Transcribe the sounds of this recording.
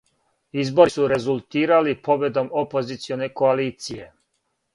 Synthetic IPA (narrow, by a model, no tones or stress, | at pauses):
izbo̞ɾisuɾe̞zulˠt̪iːɾalipo̞be̞d̪o̞mopo̞zit̪sio̞ne̞ko̞aliːt̪sije̞